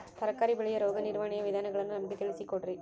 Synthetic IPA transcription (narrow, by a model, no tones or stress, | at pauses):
t̪ɐɾɐkːaːɾiʋɪɭɐjɐɾoːɣɐnɪɾʋaːnɪjɐʋɪðaːnɐɣɐɭɐndɯnɐmɐkːɯt̪ːɛɻɪsikːoʈri